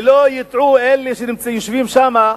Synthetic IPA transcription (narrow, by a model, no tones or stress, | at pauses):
lojit̪ʕuelːeʃenimt͡sajoʃvimʃama